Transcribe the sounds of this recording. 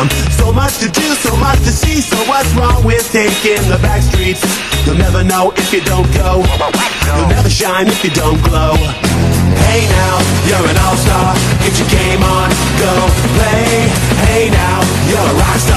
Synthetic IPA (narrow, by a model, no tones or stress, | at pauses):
msoʊmʌt͡ʃtʰɨdɨsoʊmʌt͡ʃtʰɨsisoʊwʌtsɹɔ̃ŋwɪð̥θɪ̃ŋkɪ̃ŋðəbækstɹ̥its | jɨlˠnɛvə˞noʊʔɪfjɨdõʊ̃nɡ̥oʊ | jəlˠnɛvə˞ʃãɪ̃nɨfjɨdõʊ̃nɡ̥loʊ | heɪnaʊjə˞ɨ̃nɔlˠstɑɹ | ɡɪt͡ʃɨɡẽɪ̃mə̃n | ɡ̥oʊpʰl̥eɪ | heɪnaʊ | jə˞ɹaɪs